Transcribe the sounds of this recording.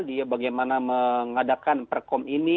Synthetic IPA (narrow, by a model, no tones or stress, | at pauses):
diabaɡajmanaməŋadakanpərkɔmini